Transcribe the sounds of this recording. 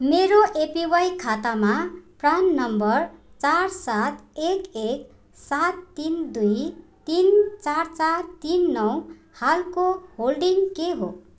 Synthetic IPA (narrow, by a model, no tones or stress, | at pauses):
meɾoʔepiwajkʰat̪amaprannʌmbʌr | t͡sarsat̪ekek | sat̪ːind̪ujt̪int͡sart͡sart̪inːʌw | halkoholɖiŋkeɦo̰